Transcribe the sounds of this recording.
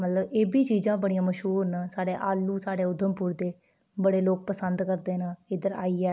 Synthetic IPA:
mət̪ləbeːbiːt͡ʃiːzãːbəɽijãːməʃɦuːɾnasaːɽeːʔaːluːsaːɽeːʊd̪ʱːəmpʊɾd̪eː | bəɽeːloːk̚pəsənd̪kəɾd̪eːnaɪd̪əɾa̰ːiːɛː

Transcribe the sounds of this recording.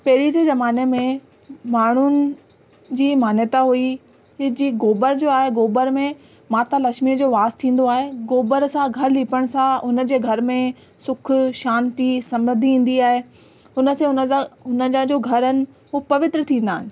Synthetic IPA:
pɐɦɪɾid͡ʑeːzɐmaːnemẽ | maːɳ̤ʊnɪ̆ | d͡ʑiːmaːnjət̪aɦui | ɦd͡ʑiːɡoːbəɾd͡ʑoːaːɦeɡoːbəɾmẽ | maːt̪alɐkʃmiəd͡ʑoːʋaːst̪ʰĩːn̆d̪oaːɦeɡoːbəɾsãɡʱɐɾliːpəɽ̃sãʊnə̆d͡ʑeːɡʱɐɾmẽ | sʊkʰʃaːnt̪isɐmɾəd̪ʱiĩːn̆d̪iaːɦe | ʊnəsẽʊnəʊnəd͡ʑə̃d͡ʑoːɡʱɐɾənɪ̆ɦupɐʋɪt̪ɾət̪ʰĩːn̆d̪aːɦɪ̃nɪ

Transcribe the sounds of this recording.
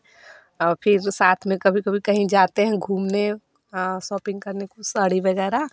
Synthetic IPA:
ɔpʰɪɾsaːt̪ʰmẽkəbʱikəbʱikəɦĩd͡ʒat̪eɦɛ̃ɡʱuːmne | sɔːpɪ̃ŋɡkəɾnekusəɽiʋəɡɛɾa

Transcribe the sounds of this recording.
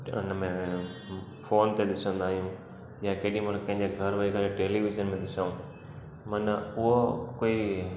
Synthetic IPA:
ʊ̰nmẽ | foːnt̪ed̪ɪsə̃nd̪aːɦijũ | jãkeːɗĩmənkɐ̃ɦɪ̃ɲd͡ʑeɡʱɐɾʋɐikaɾeʈeːliʋɪzənmẽd̪ɪsaũ | mɐnəʊɦokoːi

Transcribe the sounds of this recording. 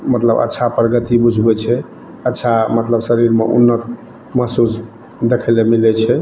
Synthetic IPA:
mət̪lə̰bə̰tːʃʰapɾəɡət̪ibud͡ʒʱbɛt͡ʃʰɛ | ətːʃʰamət̪ləbsəɾiɾmḛʔṵnːət̪̚ | məɦsus | d̪ekʰɛlemilɛt͡ʃʰɛ

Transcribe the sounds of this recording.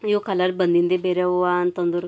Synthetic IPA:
jokʰalaɾbənd̪ind̪ebeɾaoant̪ənd̪uɾ

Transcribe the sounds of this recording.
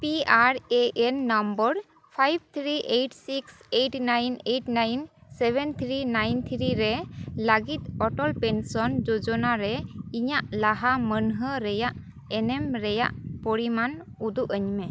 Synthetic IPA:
piaɾeʔɛnːɔmbəɾ | pʰajb̚ʱt̪ʰɾiʔeʈsikseʈnajnejʈnajnsɛbʱɛnt̪ʰɾinajnt̪ʰɾiɾɛləɡit̪̚ɔʈɔlpɛnsɔnd͡ʒod͡ʒɔnaɾɛiɲaʔlaɦamənɦəɾɛjaʔ | ɛnɛmɾɛja̰ʔpoɽiman | ud̪uʔəɲmɛ

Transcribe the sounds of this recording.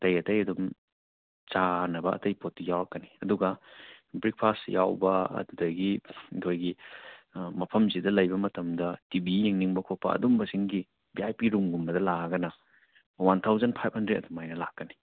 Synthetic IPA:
tɐjɐtɐjɐdum | t͡ʃanɐbɐɐ̰tɐjpot̚ːijawɾɐkːɐniɐduɡɐbɾik̚pʰasjawbɐɐ̰dudɐɡiikʰojɡi | mɐpʰɐmzidɐlɐjbɐmɐtɐmdɐtibijiŋniŋbɐkʰopːɐ̰ɐ̰dumbɐsiŋɡi | biajpiɾumɡumbɐdɐlaɡɐnɐ | wantʰawzɐnpʰajp̚ʰhɐndɾet̚ɐdumajnɐlakːɐni̥

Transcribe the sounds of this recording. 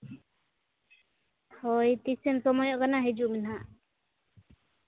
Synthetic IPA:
hɔjt̪isɛnsɔmɔjɔʔkanaɦed͡ʒuʔminɦaʔ

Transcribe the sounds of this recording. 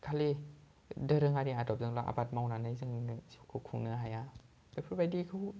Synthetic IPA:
kʰali | dəɾɯŋadiadɔp̚zɯŋlaʔa̰bat̚mawnanɯjzɯŋnskʰukʰuŋnɯɦaja | bapʰubajdikʰɯw

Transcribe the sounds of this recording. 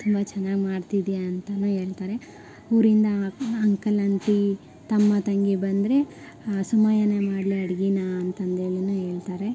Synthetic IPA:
t̪ʰumbat͡ʃɛnːaːɡimaːɽt̪id̪ijaːnt̪ɐnuːe̞ːɭt̪aːɾe̞ | uːɾind̪ɐɐŋkɐlɐɳʈi | t̪ɐmːɐt̪ɐŋɡibɐnd̪ɾe̞ | sumaːjɐnemaːɽliɐɽɡinaɐnt̪ɐnd̪eːɭinuːɦe̞ːɭt̪aːɾe̞

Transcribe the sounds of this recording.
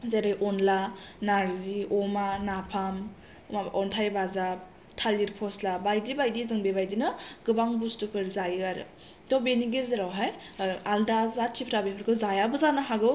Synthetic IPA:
zaɾajʔɔnlanaɾziɔmanapʰam | aɔntʰajbazap̚ | tʰaliɾpʰɔslabajdibajdizɯŋbebajdinɯɡɯbaŋbustupʰɯɾzajɯaɾɯ̰ | tɔbeniɡezeɾawɦaj | aldazatʰipʰɾabepʰɯɾkʰɯzajabɯzanaɦaɡɯw

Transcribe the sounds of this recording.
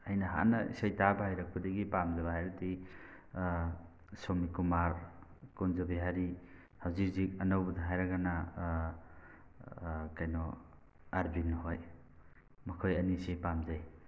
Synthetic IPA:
ajnɐɦa̰nɐḭsajtabahajɾak̚padɐɡipamzaβaɦajɾti | somikumaɾkunzabiɦaɾi | hawzik̚zik̚ɐnawbɐdaɦajɾaɡana | kajnɔ | aɾbinːɦoj | mɐkʰojɐnisepamzaj

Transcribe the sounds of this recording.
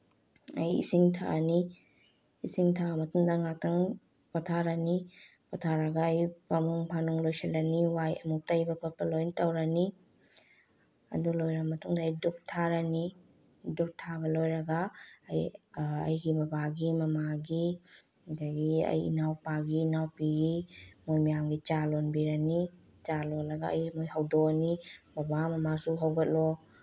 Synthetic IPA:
ɐjḭsiŋtʰa̰ʔniː | siŋtʰamɐtʰumdɐŋak̚tɐŋ | patʰaɾɐni | patʰaɾɐɡaːjpamuŋpʰanuŋlojsɐlɐniwajɐ̰muk̚tɐjbɐpʰopɐlojntɐwɾɐni | ɐ̰dulojɾɐmɐtʰuŋdɐːjduk̚tʰaɾɐni | duk̚tʰabɐlojɾɐɡajɐ̰jɡimɐbaɡimɐmaɡi | daɡiɐ̰jḭnawpaɡiːnawpiɡimojmajamɡit͡ʃalonbiɾani | t͡ʃalolɐɡaɐ̰jɡimojɦɐwdɔnimɐbamɐmasuɦawɡɐt̚lɔ

